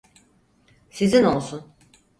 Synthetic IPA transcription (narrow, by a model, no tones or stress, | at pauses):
sizino̞lˠsun